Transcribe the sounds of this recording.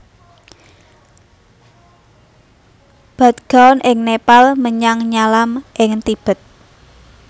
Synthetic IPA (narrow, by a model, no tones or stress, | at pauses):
b̥a̤t̪̚ɡ̥a̤nʔɪŋnepalməɲaŋɲalamʔɪŋt̪ib̥ə̤t̪̚